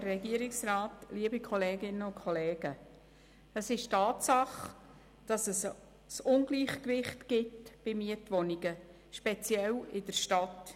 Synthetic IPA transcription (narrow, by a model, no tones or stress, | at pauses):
əɛɡiəɾɪksraːtliəbikʰχɔleːɡɪnəʊnkʰɔleːɡ̥ə | əsɪʃtɑːtsɑχ | d̥ɑsəs | sʊnɡliːχkʋɪχtɡ̥ɪtb̥ɪmiətʋɔniɡə | ʃpɛt͡sjɛlɪdəɾʃtɑt